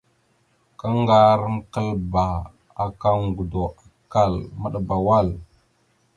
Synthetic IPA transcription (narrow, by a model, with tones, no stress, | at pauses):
ka˦ŋɡa˦ɾŋ˦kə˦lba˨ | a˨ka˦ŋ˨ɡu˨do˨a˨ka˦˨lmə˦˨ɗa˨ba˨wa˦l